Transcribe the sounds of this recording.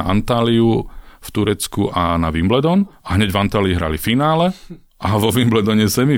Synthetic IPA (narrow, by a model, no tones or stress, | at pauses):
ʔa̰nt̪aːliuft̪uɾɛt͡skuʔanaʋimblɛd̪ɔnaɦɲɛɟvant̪aːliːɦɾa̰lifinaːlɛ | ʔaʋɔʋimblɛd̪ɔɲɛsɛmi